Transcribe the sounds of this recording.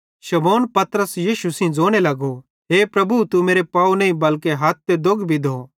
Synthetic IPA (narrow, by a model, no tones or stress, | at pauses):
ʃɐmoːnpɐt̪ɾəsjiːʃusĩd͡zoːɽ̃elɐɡo | ɦeːpɾɐbʱut̪umeːɾepaːunɐĩbɐlkeɦɐt̪̚t̪ed̪oɡbʱid̪ʱoː